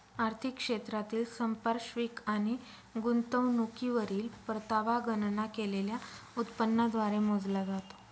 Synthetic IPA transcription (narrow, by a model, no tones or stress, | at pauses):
aɾt̪ʰikːʂet̪ɾat̪iːlsəmpəɾʂʋiːkañi | ɡunt̪əʋnukiʋəɾiːlpəɾt̪aʋaɡənnakeleljaut̪pənːad̪ʋaɾemod͡zlad͡zat̪o̥